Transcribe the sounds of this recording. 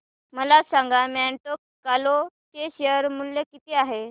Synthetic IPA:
məlasãŋɡamɛɳʈokːalo | t̪eɕeəɾmuljəkit̪eaɦe

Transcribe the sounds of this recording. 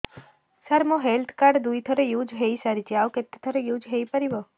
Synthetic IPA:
saɾmõɦelt̪ʰkaɖd̪ujt̪ʰəɾejud͡ʒɦeisaɾit͡ʃʰiaʋket̪ːet̪ʰəɾejud͡ʒɦejpəɾiʋo

